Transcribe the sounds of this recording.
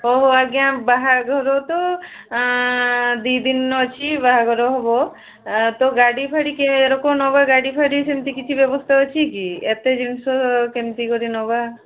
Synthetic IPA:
oɦoaɡjãbaɦaɡʱɔɾɔt̪ɔ | d̪id̪inːɔt͡ʃʰibaɦaɡʱɔɾɔɦɔbɔ | t̪ɔɡaɽipʰaɽikeeɾɔkɔnɔbaɡaɽipʰaɽisemt̪ikit͡ʃʰibjɔbɔst̪ʰaɔt͡ʃʰikiet̪ed͡ʒinsɔkemt̪ikɔɾinɔba

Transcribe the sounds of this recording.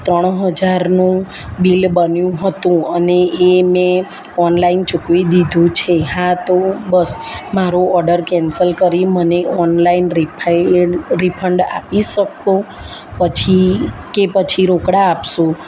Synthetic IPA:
t̪ɾəɽ̃ɦəd͡ʒaɾnũ | bilbənjũɦət̪ũəneʔːmẽ | ɔnlaint͡ʃukʋid̪id̪ʱũt͡ʃʰeɦãt̪obəsmaɾoɔɾɖəɾkɛnsəlkəɾiməneʔɔnlainɾipʰ | ɾipʰəɳɖa̰piʃəkõ | pət͡ʃʰikepət͡ʃʰiɾokɽaːpʃũ

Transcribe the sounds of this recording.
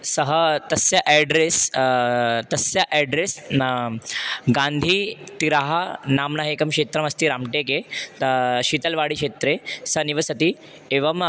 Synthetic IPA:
sɐɦət̪ɐsjɐʔɛɖɾes | t̪ɐsjɐʔɛɖɾes | ɡãnd̪ʱiːt̪iɾaːɦanaːmnaɦekɐmkeːt̪ɾɐmɐst̪iɾaːmʈeːke | ɕit̪ɐlʋaːɽikɕeːt̪ɾesɐniʋɐsɐt̪i | eʋɐm

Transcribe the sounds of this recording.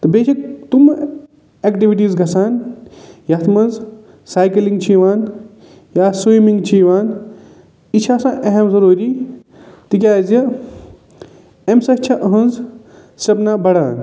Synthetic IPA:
t̪ɨbeːʃʰɐk̚t̪um | ekʈiʋiʈ̬iːzɡʱɐsaːnjɐt̪ʰmɐnz | saːjkɐliŋɡt͡ʃʰiʋaːn | jaːswijmiŋɡt͡ʃʰiːʋaːn | it͡ʃʰaːsãːʔeɦɐmzɐɾuːɾi | t̪ik̬ʲaːzjɐ | emsɐt͡ʃʰɐʔɐɦɐ̃nz | sɾɐbnabɐɽa̰ːn

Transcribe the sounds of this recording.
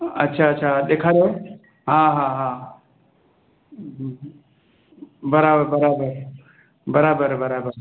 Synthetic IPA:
ɐtːʃʰaɐtːʃʰad̪ekʰaɾo | ɦãɦãɦã | bɐɾabəɾbɐɾabəɾ | bɐɾaːbəɾbɐɾabəɾ

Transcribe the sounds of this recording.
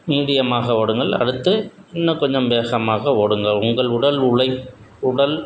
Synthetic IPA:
niːðɪjɐmaːɣɐoːɽɯŋɡɐɭɐ̰ɽɯt̪ːɯɛnːɐkɔɲd͡ʒɐmʋeːɣɐmaːɣɐoːɽɯŋɡɐʊŋɡɐɭʊɽɐlʊɭɐɪ | ʊɽɐl

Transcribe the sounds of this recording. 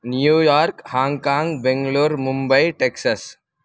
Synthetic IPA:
njuːjaːɾkhãːŋɡkãːŋɡbɛ̃ŋɡloːɾmʊ̃mbəiʈeːksəs

